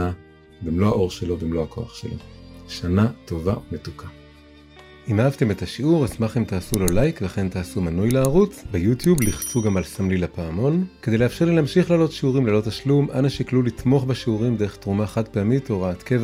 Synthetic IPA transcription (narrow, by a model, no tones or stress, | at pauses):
a | bimlo̞aʔo̞ʁʃelobimlohakʰo̞a̰χʃḛloʃanato̞vaumetukʰa | ʔimhaavt̪e̞me̞taʃiuʁasmaχimtaːsulo̞lajkveχe̞nt̪aːsumanujlaaʁut͡sbejutjubliχt͡suɡamalsamlilapaːmo̞nke̞d̪ejlehafʃe̞ʁlileamʃiχlaːlo̞t̪ʃiuʁimlelo̞taʃlumʔanaʃiklulit̪mo̞χbeʃiuʁimd̪eʁeχtʁumaχat̚peamitoʁaːt̪kev